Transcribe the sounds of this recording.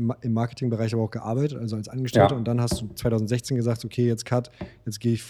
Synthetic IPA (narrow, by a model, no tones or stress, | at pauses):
ɪmːaɐkətʰɪŋbəʁaɪçʔaːbaʊxɡ̥əʔa̰ɐbaɪtətʔalzoalsʔanɡəʃtɛltəʊnt̚d̥anhastd̥uːt͡sv̥aɪtʰaʊzn̩tzɛçt͡seːnɡəzaːktokʰeːjɛt͡stkʰatjɛt͡stɡ̥eːɪçf